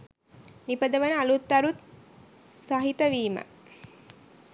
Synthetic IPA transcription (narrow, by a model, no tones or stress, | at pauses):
nipəd̪əʋənəalut̪ːɐɾut̪ | sɐɦit̪əʋiːmə̰